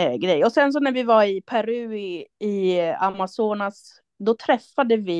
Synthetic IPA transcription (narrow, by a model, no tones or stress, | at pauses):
ɡɾɛjːɔsɛns̬ɔnæɾvɪvaɾɪpʰæɾʉ̟ːɪa̰masuːnas | d̪ɔt̪ʰɾɛfːad̪əvɪ